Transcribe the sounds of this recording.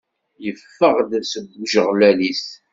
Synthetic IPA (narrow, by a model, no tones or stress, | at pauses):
jəfːəʁd̪səbːʒəʁlælis